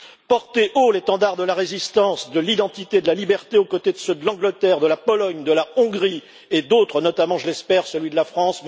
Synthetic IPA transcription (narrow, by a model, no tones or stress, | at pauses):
pɔʁt̪eʔolet̪ɑ̃d̪aʁd̪əlaʁezist̪ɑ̃sd̪əlid̪ɑ̃t̪it̪ed̪əlalibɛʁt̪eokot̪ed̪əsəd̪əlɑ̃ɡlət̪ɛʁd̪əlapɔlɔɲd̪əlaɔ̃ɡʁi | ed̪ot̪χənɔt̪amɑ̃ʒəlɛspɛʁsəlɥid̪əlafχɑ̃sv